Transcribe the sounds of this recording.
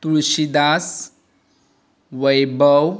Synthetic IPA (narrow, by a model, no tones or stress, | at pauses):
t̪uɭɕid̪as | ʋəjbəw